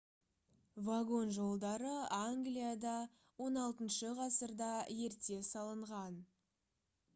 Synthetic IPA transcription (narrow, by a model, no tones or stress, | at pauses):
vaɡo̞nʒo̞lˠd̪ɑɾəaŋɡlijad̪ɑ | wo̞nɑlˠt̪ənʃəʁɑsəɾd̪ɑje̞ɾt̪e̞sɑlˠəɴʁɑn